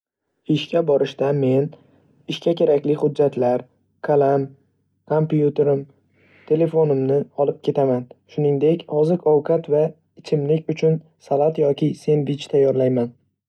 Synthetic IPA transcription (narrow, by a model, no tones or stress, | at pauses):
ɪʃkʲʰabɒɾɪʃt̪ame̞n | ɪʃkʲakʲʰe̞ɾakʲlɪχʊd͡ʒːat̪ʰlaɾ | kʰalam | kʰompjut̪ʰe̞ɾɪm | t̪ʰe̞le̞fonɪmnɪɒlˠɪp̚kʲe̞t̪ʰamanʃʊnɪŋd̪e̞kʲhɒzɪɾɒwkʰat̪va | ɪt͡ʃʰɪmlɪkʲʊt͡ʃʰʊn | salˠat̪jɒkʲɪse̞nbɪt͡ʃt̪ʰajːɒɾlajman